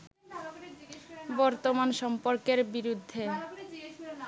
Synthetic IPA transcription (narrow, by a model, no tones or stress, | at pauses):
bɔɾt̪omanʃɔmpoɾkeɾbiɾud̪ʱːe